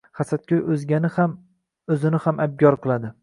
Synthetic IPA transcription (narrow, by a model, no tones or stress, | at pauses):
χasat̪̚kʰʲojɵzɡʲanɪham | ɵzɪnɪhamʔab̚ɡʲɒɾqʰɨlˠad̪ɪ